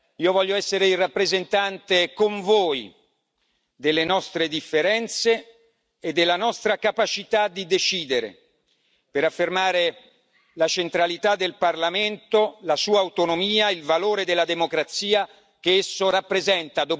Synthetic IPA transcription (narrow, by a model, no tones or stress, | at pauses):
iːovɔʎːoɛsːeɾeilrapːɾezent̪ant̪ekoɱvoːj | d̪elːenɔst̪ɾed̪ifːeɾɛnt̪seː | d̪ːelːanɔst̪ɾakapat͡ʃit̪ad̪ːid̪et͡ʃiːd̪eɾḛ | peɾafːermaːɾe | lat͡ʃent̪ɾalit̪ad̪ːelparlament̪olasuːaːwt̪onomiːailvaloːɾed̪elːad̪emokɾat̪siːa | k̟eesːorapːɾezɛnt̪ad̪o